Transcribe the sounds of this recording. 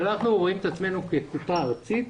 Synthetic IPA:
naχnuʁo̞imet̪at͡sme̞nukekut̪aːʁt͡sit̪

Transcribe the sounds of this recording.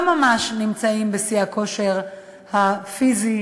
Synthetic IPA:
mamaʃnimt͡saimbesiako̞ʃeʁ | hafizi

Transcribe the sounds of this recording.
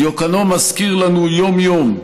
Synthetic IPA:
jokanomaskiʁlanujomjom

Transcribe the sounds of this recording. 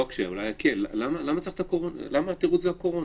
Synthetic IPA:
okʃeulajakelalamalamat͡saχt̪akoʁona̰lamat̪iʁutzeako̞ʁon

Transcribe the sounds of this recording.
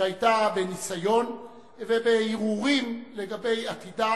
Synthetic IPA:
ajtabe̞nisajo̞n | vebeiʁuʁimle̞ɡabe̞jatida

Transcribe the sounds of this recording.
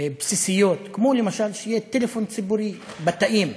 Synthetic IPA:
bsisijot̪kmolemaʃalʃejet̪elefont͡sibuɾi | bat̪aʔim

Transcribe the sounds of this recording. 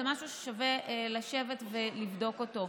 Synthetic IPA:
emaʃuʃe̥ʃaveʔlaʃe̞vetvelivd̪o̞kot̪o

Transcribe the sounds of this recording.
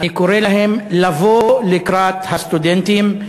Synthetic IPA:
ikʊɾeːlahɪmlavolɪkɾaːt̪hast̪ud̪ent̪im

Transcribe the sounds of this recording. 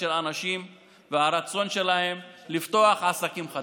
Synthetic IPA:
elanaʃim | veaɾat͡so̞nʃe̞laɦe̞mlift̪o̞aχasakimχa

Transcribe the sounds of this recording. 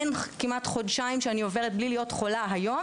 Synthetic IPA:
nkimat̪χo̞dʃaimʃeanio̞ve̞ʁet̪̚blilijo̞tχo̞laɦajo̞m

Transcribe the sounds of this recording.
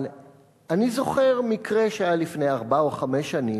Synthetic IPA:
l | anizo̞χe̞ʁmikʁeʃeajalifnejaʁbaoχameʃani

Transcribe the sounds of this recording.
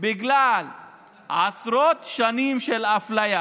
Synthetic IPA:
biɡlal | ʕasɾot̪ʃanimʃelaflaja

